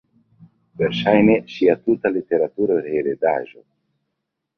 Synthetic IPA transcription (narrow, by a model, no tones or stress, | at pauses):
ve̞ɾʃajne̞ʃiatutalite̞ɾatuɾaɾeɾeda̰ʒo̞̰